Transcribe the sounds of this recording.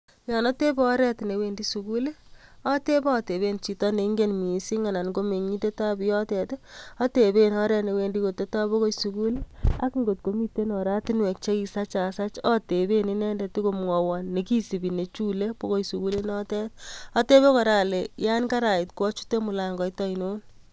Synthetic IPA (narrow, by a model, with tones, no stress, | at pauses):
jɔ˨nɔ˦te˦bɔː˦ɾɛ˦tne˨we˨ndi˦su˨ku˦le˦ɔ˦te˦bɔː˦˨te˨βe˦nt͡ʃi˨tɔ˦ne˨i˦ŋɡe˦nmi˨si˦ŋa˨na˨nko˦me˨ɲi˦de˦ta˦bi˨jɔ˦tɛ˨te˦ɔ˦te˨be˦nɔ˦ɾɛ˦ne˨we˦ndi˦ko˨tːe˦ta˦bo˦ko˦jsuku˦le˦a̰˦ki˦ŋɡo˨t̚ko˦mi˦te˦nɔ˨ɾa˦ti˦nwɛ˨k̚t͡ʃe˦ki˧sa˦t͡ʃa˨sa˦t͡ʃɔ˦te˨be˦ni˦nɛ˦nde˨ti˦ko˦mŋɔ˨wɔ˨nːe˨ki˦si˨bi˨ne˨t͡ʃu˦le˦bo˦ko˦jsu˨ku˦le˦nɔ˦tɛ˦tɔ˦te˦βe˦kɔ˨ɾa˨le˨ja˦nka˦ɾa˨ɪ˨tkɔ˦t͡ʃu̥˦te˦mu˨la˨ŋɡɔ˨itɔ˦i˨no˦n